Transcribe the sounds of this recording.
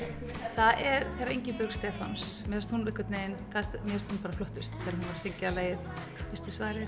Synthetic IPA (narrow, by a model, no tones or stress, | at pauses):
θaðɛɾθeːɾaḛjɲcɪpœɾkst̪ɛːfa̰nsmɛðst̪hunɪhkɪt̪nejɪnθaðst̪mɛðst̪hunpaːɾaflɔht̪ʏst̪θɛːɾahunvaɾḁseɲcɪalaːjɪð | vɪst̪ʏsvaːɾɪ